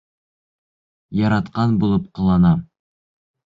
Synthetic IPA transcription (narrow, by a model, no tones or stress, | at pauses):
jɑɾɑt̪qɑnbulˠɤpqɤ̆lˠɑnɑ